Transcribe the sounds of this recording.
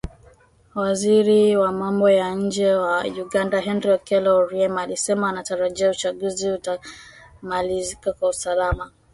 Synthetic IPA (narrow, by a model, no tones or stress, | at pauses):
waziɾiwamambɔjaɲ̩d͡ʒɛwajuɡandaɦɛnɾiɔkɛlɔɾiɛmaːlisɛmaːnataɾaʄiaut͡ʃaɠuziutamalizikakwausalama